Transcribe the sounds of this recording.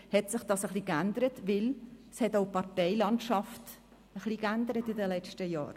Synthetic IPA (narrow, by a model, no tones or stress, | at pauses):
hɛtsɪχd̥ɑsəχlikændəɾətvɪlshɛtoʊpɑʁtɛɪlɑntʃɑft | əχlikænd̪əɾətɪdəlɛt͡ʃtəjɑ̰ːɾ